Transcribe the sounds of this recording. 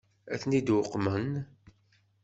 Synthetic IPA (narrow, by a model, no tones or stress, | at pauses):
æ̰θnid̪wʊqːmən